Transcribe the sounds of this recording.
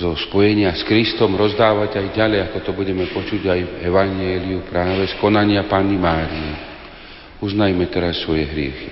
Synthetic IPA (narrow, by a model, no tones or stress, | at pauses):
zɔspɔjɛɲɪaskɾist̪ɔmɾɔzd̪aːʋaɟajɟalɛjat̪ɔt̪ɔbuɟɛmɛpɔt͡ʃuɟajɛʋaɲɪɛːliupɾaːʋɛskɔnaɲɪapaːnːimaːɾiɛ | uznajmɛt̪ɛɾasːʋɔjɛɦɾɪɛ̰xi̥